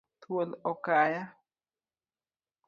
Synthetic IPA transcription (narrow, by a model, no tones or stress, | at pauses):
t̪ʰuəlokaja